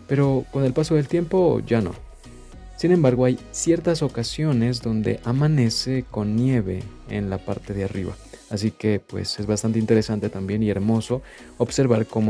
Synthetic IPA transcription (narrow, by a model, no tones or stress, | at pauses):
pe̞ɾo̞ko̞ne̞lpaso̞ðe̞lt̪je̞mpo̞ʝano̞̰ | sinẽ̞mbaɾɣo̞ajsje̞ɾt̪aso̞kasjo̞ne̞zðo̞nd̪e̞̰ʔamãne̞se̞ko̞nːje̞βe̞̰ːnlapaɾt̪e̞ðeariβa̰ːs̬ike̞pwe̞̰se̞zβast̪ant̪eint̪e̞ɾe̞sant̪e̞t̪ambje̞nie̞ɾmo̞so̞ | oβse̞ɾβaɾkomo